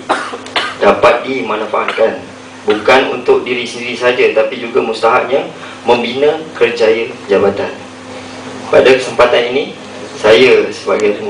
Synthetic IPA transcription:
d̥apat̪̚dimãnãfaʔat̪̚kan | bukanunt̪ʊk̚diɾisəndiɾisad͡ʒat̪apid͡ʒuɡamust̪aɦaʔ̚ɲa | mə̃mbinə̃kərd͡ʒajəd͡ʒabat̪an | pa̰dakəsəmpat̪anini | sajasəbaɡaj

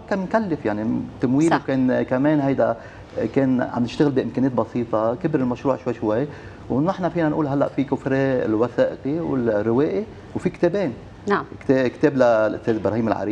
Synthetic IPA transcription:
kːaːmɪnkalːɪfjaʕnit̪amwiːlwkeːnkameːnɦajd̪a | keːnʕa̰mnɪʃt̪ɪɣɪlbiʔɪmkeːneːt̪̚bɑsˤiːt̪ˤɑkɪbɾɪlmaʃɾuːʕʃwajʃwaj | wnɪħnafiːnanʔṵːlɦalːa̰ʔfikʊfɾeːɪ̰lwaθeːʔɪqiwɪ̰lrːɪweːʔi | wfikt̪eːbeːn | naʕkt̪eːkt̪eːblalʔʊ̰st̪eːzbɾɑhiːmɪlʕa̰ɾiː

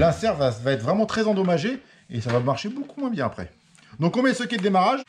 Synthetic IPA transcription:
lɛ̃sɛʁvavaɛt̪χvʁɛmɑ̃t̪χɛzɑ̃d̪ɔmaʒe | esavamaʁʃebokumwɛ̃bjɛ̃apχɛ̰ | d̪ɔ̃kɔ̃mjɛsəkʲɛd̪d̪emaʁaʒ

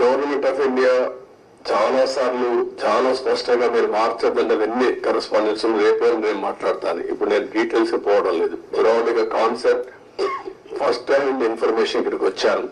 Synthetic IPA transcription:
noːɾineɳʈaːpiɳɖijaː | t͡ʃaːlaːsaːɾluːt͡ʃaːlaːspɐʂʈɐŋɡaːmiːɾumaːɾt͡ʃɛd̪ːɐnɖɐd̪ɐnːikɐɾespaːndinsuluɾeːpoːɐnneːnumaːʈlaːɽt̪a̰ːnḭḭpːuɽuneːnuɖiːʈeːlsupɔːʋɐɽɐmle̞ːd̪uɾaːliɡaːkaːnseɾʈ̚ | pʰɐsʈːɐjɳɖinpʰɐɾmeːʂɐnkɐɾikʋɐt͡ʃːaːnu

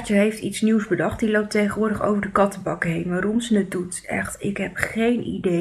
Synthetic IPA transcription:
t͡ʃəɦejftitsniwzbədɑχtdilowp̚tejχənʋʊːɹdəχo̰wvəɹdəkɑtəbɑkəɦejnʋaːɾɔmzənədut | ɛ̰χtɪkɦɛpχejnḭde

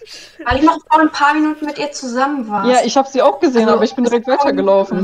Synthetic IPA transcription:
vaɪlɪçnɔχfoɐnnpʰaːɐminuːtn̩mɪtʔiːɐt͡suzamənvaːjaːʔɪçhaːbəz̥iːaʊxɡ̥əzeːənʔaːbɐɪçb̥ɪndiʁɛk̚tvaɪtɐɡəlaʊfn̩

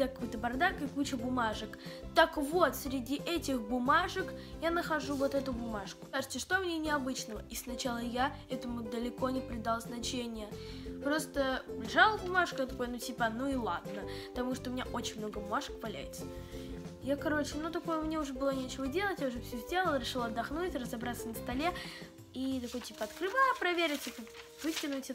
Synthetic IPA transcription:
akɐkojt̪əbɐrd̪akɨkut͡ɕəbʊmaʐək | t̪əkvo̞t̪sʲɾʲɪdʲiʔɛtʲɪxbʊmaʐəkjanəxɐʐuvo̞t̪ɛt̪ʊbʊmaʂkʊ̥saʐɨt̪ʲəʂt̪omnʲenʲɪɐbɨt͡ɕnəvə̰ʔisnɐt͡ɕalˠəjaɛt̪əmʊd̪əlʲɪko̞nʲɪpɾʲɪd̪alˠznɐt͡ɕenʲɪjəpɾo̞st̪əlʲɪʐalˠəbʊmaʂkəjt̪ɐko̞jənutʲipənuɪlˠa̰d̪nəpət̪ɐmuʂt̪oʊmʲɪnʲaʔo̞t͡ɕɪnʲmno̞ɡəbʊmaʂə̥kvɐlʲæ̰jɪt̪sə | jakɐɾo̞t͡ɕɪnut̪ɐko̞jəʊmnʲeʊʐɛbɨlˠonʲet͡ɕɪvədʲe̞lˠətʲjaʊʐɛfsʲɵzʲdʲelˠəlˠəɾʲɪʂɨlˠɐd̪ːɐxnutʲrəzɐbɾat̪sənəst̪ɐlʲe̞ | it̪ɐko̞jtʲipəɐt̪kɾɨvajpɾɐvʲeɾʲɪtʲipəvɨsʲtʲɪnʊtʲɛ

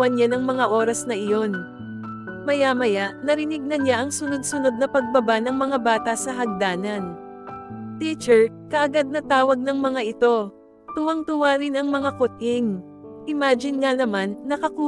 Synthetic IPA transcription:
ɐnanɐŋmɐŋaʔo̞ːɾɐsnɐʔɪjo̞n | mɐjamɐjaʔnɐɾɪnɪɡ̚nɐnɲaʔɐŋsʊno̞d̪̚sʊno̞d̪̚nɐpɐɡ̚bɐbanɐŋmɐŋabaːt̪ɐsɐɦɐɡ̚d̪aːnɐn | t̪it͡ʃɛɹ | kɐʔɐɡad̪̚nɐt̪aːwɐɡ̚nɐŋmɐŋaʔɪt̪o̞ | t̪ʊwɐŋt̪ʊwaːɾɪnɐŋmɐŋakʊt̪ɪŋ | ʔɪmaːd͡ʒɪnŋanɐmanːɐkɐku

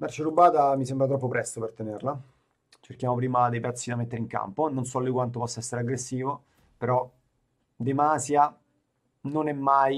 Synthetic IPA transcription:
mart͡ʃeɾubaːt̪amis̬embɾat̪̬ɾɔpːopɾɛst̪opert̪enerla | t͡ʃerk̟jaːmopɾiːmad̪ejpɛt̪sːid̪amet̪ːeɾeiŋka̰mpononsɔlːikwant̪̬opɔsːaɛsːeɾeaɡɾesːiːvo | peɾɔ | d̪emaːsja | nonɛmːaj

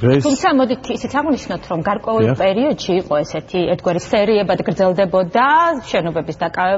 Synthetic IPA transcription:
t̪ʰumt̪sʰamɔd̪it̪ʰitsit̪sʰaʁniʃnɔt̪ʰɾɔmɡaɾkʼwɛulˠpʼɛɾiɔd̪̥ʃiːqʼɔɛsɛt̪ʰiɛɾt̪ʰɡwaɾisɛɾiɛbad̪ɡɾd̪zɛlˠd̪ɛbɔd̪aʃɛnɔbɛbisd̪akʼavɛ

